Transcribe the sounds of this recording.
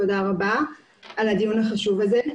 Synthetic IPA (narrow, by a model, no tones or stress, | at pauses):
tod̪aʁaba | alad̪ijunaχaʃuvaze